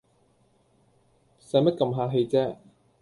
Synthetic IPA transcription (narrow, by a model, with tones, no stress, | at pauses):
sɐ˨˧jmɐ˥t̚kɐ˧mɦaː˧ɦe˧jt͡sɛː˥